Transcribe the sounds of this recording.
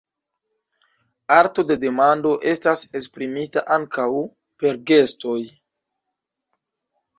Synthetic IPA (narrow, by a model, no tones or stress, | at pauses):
aɾto̞de̞de̞mando̞ʔe̞stase̞spɾimitaʔaŋkʰaw | pe̞ɾɡe̞sto̞j